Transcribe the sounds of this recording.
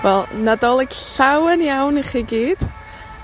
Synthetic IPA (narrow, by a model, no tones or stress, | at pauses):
vɛlˠnadɔlˠɛɡɬawənjawniχiɡiːd̥